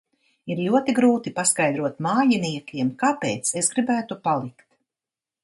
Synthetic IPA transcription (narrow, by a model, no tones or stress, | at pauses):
iɾlʲuɔt̪iɡɾuːt̪ipaskajd̪ɾuɔt̪maːjiniɛkʲiɛmkapḛːt̪sezɡɾibæːt̪upalˠikt̪